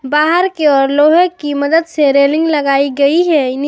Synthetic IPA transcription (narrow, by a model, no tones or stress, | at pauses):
baːɦəɾkeɔːɾloːɦəkimɐd̪əd̪seɾeːlɪ̃ŋɡlɐɡaːiɡɐiɦɛɪn